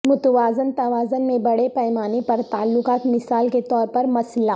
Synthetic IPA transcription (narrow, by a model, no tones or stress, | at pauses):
mʊt̪ʋaːzənt̪ɐʋaːzənmẽbɐɽepɛːmaːnepɐɾt̪aːlːʊqaːt̪mɪsaːlket̪ɔːɾpɐɾmɐslaː